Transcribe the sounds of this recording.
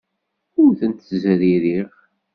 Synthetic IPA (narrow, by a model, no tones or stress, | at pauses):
ʊɾθənt̪zɾiɾiʁ